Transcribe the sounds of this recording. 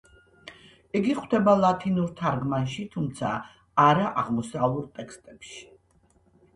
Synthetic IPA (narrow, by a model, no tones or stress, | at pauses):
iɡiχwd̪ɛbalˠat̪ʰinuɾt̪ʰaɾɡmanʃit̪ʰumt̪sʰaː | ɾaʔaʁmɔsauɾt̪ʼɛkʰst̪ʼɛpʃi̥